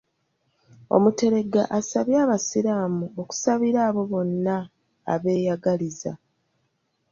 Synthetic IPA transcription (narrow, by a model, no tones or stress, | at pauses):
o̞̰mute̞ɾe̞ɡa̰ʔasaβjaːβasiɾaːmuo̞ku̥saβiɾaːβo̞βo̞nːa̰ː | βe̞ːjaɡaliza̰